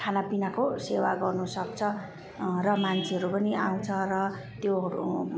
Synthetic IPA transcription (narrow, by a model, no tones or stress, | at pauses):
kʰanapinakosewaɡʌrnusʌk̚t͡sʰʌ | rʌmant͡sʰiɦʌɾupʌniʔaw̃t͡sʰʌrʌ | t̪joṵ